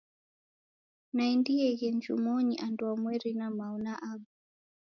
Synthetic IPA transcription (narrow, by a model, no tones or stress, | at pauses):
naɛndiɛɣɛnd͡ʒumɔɲiʔanduamwɛɾinamaunaʔaɡu